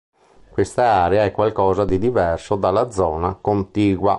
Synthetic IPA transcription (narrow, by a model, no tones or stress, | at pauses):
kwest̪aaːɾeaɛkːwalkɔːzad̪id̪ivɛrsod̪alːad̪zːɔːnakont̪iːɡwa̰